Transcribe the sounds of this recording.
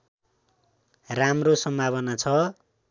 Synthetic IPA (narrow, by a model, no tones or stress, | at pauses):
ramrosʌmbʱaβʌnat͡sʰʌ